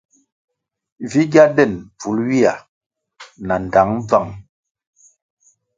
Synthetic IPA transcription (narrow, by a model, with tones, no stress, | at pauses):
vi˦ɡja˦dɛ˦˨nb͡vu˨˦lwi˦a˨ | na˨n˨da˨˦ŋ˦b͡va˦˨ŋ